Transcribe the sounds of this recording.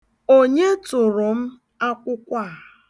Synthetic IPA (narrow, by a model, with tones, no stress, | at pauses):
o˦ɲe˦tʊ˨ɾʊ˨m̩˦ | a˦kʷʊ˦kʷa˦˨